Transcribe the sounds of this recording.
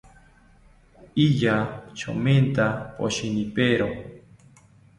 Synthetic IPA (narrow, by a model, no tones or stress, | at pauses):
ijat͡ʃo̰ment̪apo̰ɕinipeɾo